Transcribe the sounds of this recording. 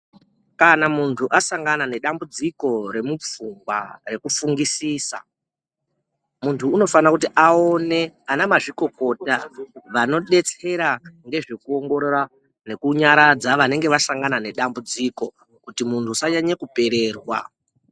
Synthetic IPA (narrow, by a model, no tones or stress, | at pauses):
kanamuntʰuʔasaŋɡanane̞ɗambud͡ziko̞ɾe̞mup͡fumɡwa̰re̞kufuŋɡisiːsa̰ | muntʰuːno̞fanakutiʔao̞ne̞anamaʐiko̞ko̞ːtaʋano̞ɗe̞t͡se̞ɾaŋɡe̞ʐekuo̞ŋɡo̞ɾoɾa | ne̞kuɲaɾad͡zaʋane̞ŋɡe̞ʋasaŋɡanane̞ɗambud͡ziko̞ | kutimuntʰusaɲaɲekupe̞ɾe̞ːrwa̰